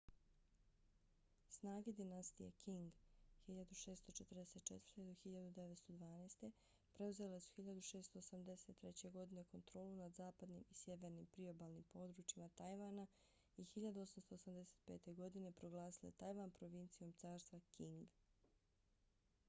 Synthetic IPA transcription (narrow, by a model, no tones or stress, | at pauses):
snaːɡe̞d̪inast̪ijḛkʰiŋɡxiʎad̪uʃe̞ːst̪o̞t͡ʃet̪r̩d̪ese̞t̪̚t͡ʃet̪vəɾ̥t̪e̞d̪oxiʎad̪ud̪eʋet̪st̪o̞d̪ʋaːneːst̪e̞ | pɾe̞uze̞le̞su̥xiʎad̪uʃe̞ːst̪o̞ːsamd̪e̞se̞t̪ːɾet͡ɕe̞ɡo̞d̪ine̞ko̞nt̪ɾo̞ːlunad̪zaːpad̪nḭmisʲjeʋe̞ɾnimpɾio̞baːlˠnimpo̞d̪ɾut͡ʃimat̪ajʋana | ixiʎad̪uo̞samst̪o̞ːsamd̪ese̞̥t̪̚pe̞ːt̪e̞ɡo̞d̪ine̞pɾo̞ɡlˠaːsile̞̰t̪ajʋanpɾo̞ʋint̪sijo̞mt̪saːɾst̪ʋakiŋɡ